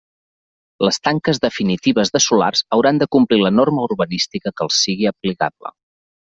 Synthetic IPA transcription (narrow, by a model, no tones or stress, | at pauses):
ləst̪aŋkəzðəfinit̪iβ̞əzðəsula̰rz̥əwɾand̪əkumplilənoɾməuɾβənist̪ikəkəlˠsiɣiəplika̰blə̰